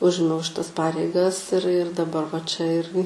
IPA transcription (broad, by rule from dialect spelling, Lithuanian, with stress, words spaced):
ˈʊʒʲɪmʲɛʊ ʃʲɪˈtɐs ˈpɑːrʲɛɪɡɐs ɪr ɪr dɐˈbɐr ʋɐ t͡ʃʲɛ ˈɪrʲɡʲɪ